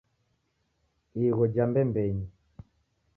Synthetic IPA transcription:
iɣɔd͡ʒambɛmbɛɲi

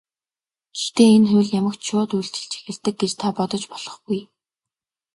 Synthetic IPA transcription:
kext̪eːenxʊjɮjamə̆kt͡ɕʃʊːt̪ujɬt͡ɕɪ̥̆ɮt͡ɕʰe̥xʲɪ̆ɮt̪ɘ̆k̚ɡet͡ɕt̪ʰapɔt̪ɞ̆t͡ɕpɔ̥ɮ̥ɞ̥̆χɡuj

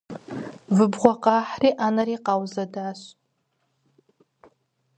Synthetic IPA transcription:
vɨbʁʷaqʼaħriʔanariqʼawzadaʃʷ

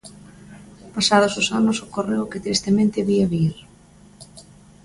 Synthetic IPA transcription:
pasað̞ʊsʊsanʊsʊkorewkɪt̪ɾist̪emẽnt̪ɪβiaβiɾ

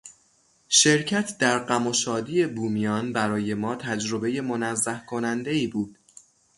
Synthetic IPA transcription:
ʃe̞ɾcʰæt̪ʰd̪æɾɢæmoʃɒːd̪iːe̞buːmijɒːnbæɾɒːje̞mɒːt̪ʰæd͡ʒɾo̞be̞je̞mo̞næzːæhkʰo̞nænd̪e̞iːbuːd̪̥

